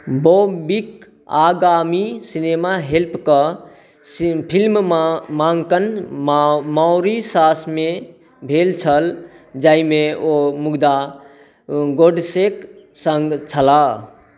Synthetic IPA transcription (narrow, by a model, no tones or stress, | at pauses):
bobik | aɡamisinemaɦelpʰkə | pʰilmmaŋɡkən | maʊɾisasme | bʱelt͡ʃʰəl | d͡ʒaimeomuɡd̪a | ɡoɖsek | səŋɡt͡ʃʰəla